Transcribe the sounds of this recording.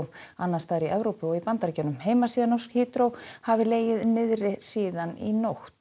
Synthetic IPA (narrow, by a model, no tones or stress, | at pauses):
anːast̪aːɾiʔɛvɾowpɪɔɣipant̪aɾcœnʏmheːjmasiːðanɔskhiːt̪ɾowhavɪleːjɪðmɪðrɪsiːðanḭnoxt̪